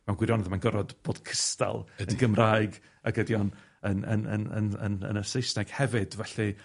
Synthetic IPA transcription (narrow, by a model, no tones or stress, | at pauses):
mɛwnɡwɪɾjɔnɛðmanɡəɾɔdb̥oːd̥kʰəsta̰lˠənɡəmraːɨɡ | aɡədjɔn | ənə̰nə̰nə̰nə̰nə̰nəsejsnɛɡ̥hɛvɪd̥vɛɬi